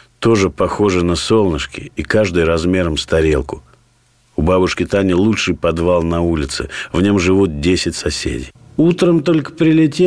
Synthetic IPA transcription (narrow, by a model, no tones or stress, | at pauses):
t̪o̞ʐɨpɐxo̞ʐɨnəso̞lˠnəʂkʲɪ̰ikaʐd̪ɨjɾɐzmʲe̞ɾəmst̪ɐɾʲelˠkʊ | ʊbabʊʂkʲɪt̪anʲɪlˠutʂɨjpɐd̪valˠnɐulʲɪt̪sɨ̰vnʲo̞mʐɨvut̪̚dʲesʲɪtʲsɐsʲḛdʲḭj | ut̪ɾəmt̪o̞lʲkə̥pɾʲɪlʲɪtʲe